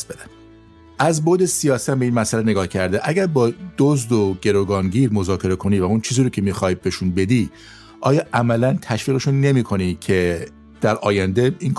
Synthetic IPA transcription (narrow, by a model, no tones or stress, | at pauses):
sbed̪æn | ʔæzbod̪e̞sijɒːsæmbe̞iːnmæsælene̞ɡɒːhcʰæɾd̪eʔæɡæɾbɒːd̪̥ozd̪oɟe̞ɾoɡɒːnɟiːɾmo̞zɒːcʰe̞ɾekʰo̞niːvæunt͡ʃʰiːziːɾocʲʰe̞miːxɒːjibeʃunbe̞d̪i | ʔɒːjɒːʔæmælænt̪ʰæʃviːɣeʃune̞miːkʰo̞nicʰe̞ | d̪̥æɾɒːjænd̪e̞iŋ